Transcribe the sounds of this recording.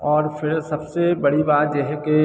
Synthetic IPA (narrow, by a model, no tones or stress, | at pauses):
ɔːɾfʰɪɾsɐbsebɐɽibaːt̪jeɦɛke